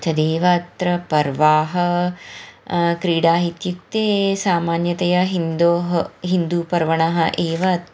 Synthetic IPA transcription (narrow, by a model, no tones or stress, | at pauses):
t͡ʃʰɐd̪eːʋɐːt̪ɾɐpɐɾʋaːɦɐ | kɾiːɖaːɦit̪jut̪ːeːsaːmaːnjɐt̪ɐjɐɦind̪oːɦɐɦind̪uːpɐɾʋɐɳɐɦɐʔeːʋɐt̪